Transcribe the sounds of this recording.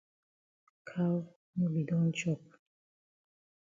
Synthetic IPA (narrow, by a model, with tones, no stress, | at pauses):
kʰa˦w | mu˦bi˨d̪ɔ˦nt͡ʃɔ˦˨p̚